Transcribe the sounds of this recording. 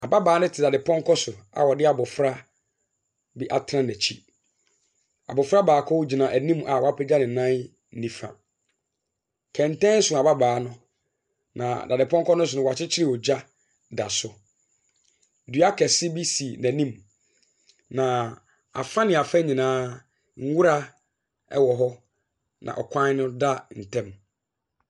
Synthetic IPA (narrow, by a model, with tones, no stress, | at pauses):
a˨ba˦baː˨˦nʊ̃˦tʰɪ˨da˨dɪ˨pʰɔ̃˦ŋ˦kʰɔ˦sʊ˨a̰˨wɔ˨dɪ˦a˨bʊ˨fɾa˦ | bɪ˦ʔa˨tʰɾã˦næ˨t͡ɕʰi˦ | a̰˨bʊ˨fɾa˦baː˨kʰɔ˦wd͡ʑi˨nã˨ʔæ˨nĩ˦m˦ʔa˨wɔ˨˦a˦pʰɛ˦d͡ʑa˦nɪ̃˨nã˦n | n̩˦nĩ˨fã̰˨ | kʰɛ̃˨n˨tɛ̃˦n̩˦sʊ˨a˨ba˦baː˨˦nʊ̃˦ | nã˨da˨dɪ˨pʰɔ̃˦ŋ˦kɔ˦nʊ̃˦s̬ʊ˨nʊ̃˦wa˨t͡ɕʰɪ˦t͡ɕʰɪ˦ɾɪ˦˨wɔ˨d͡ʑa˦ | da˨sʊ˨ | dɥa˦kʰɛ˨sɪ˦bi˦si˨næ̃˨nĩ˦m | nã˨ | a̰˨fã˦nɪ̃˨a˨fã˦ɲĩ˨nãː˦ | ŋ̩˦wu˦ɾa˦ | ɛ̰˦wɔ˨ɦɔ˦ | nʔã̰˨ʔɔ̰˨kʷʰã˦nʊ̃˦da˦n̩˨tʰɛ̃˦m